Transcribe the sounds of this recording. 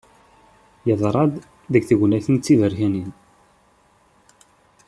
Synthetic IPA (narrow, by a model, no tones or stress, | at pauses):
jəðˤɾˤɑd̪ˤ | ðəɡθəʝnæθənt͡sːiðəɾçænin